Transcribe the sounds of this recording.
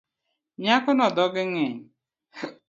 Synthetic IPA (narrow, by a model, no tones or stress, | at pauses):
ɲakʊnɔdɔɡɪŋɪɲ